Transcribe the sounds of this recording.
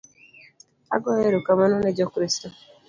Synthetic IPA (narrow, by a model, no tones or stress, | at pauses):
a̰ɡɔjeɾokamanɔned͡ʒɔkɾisto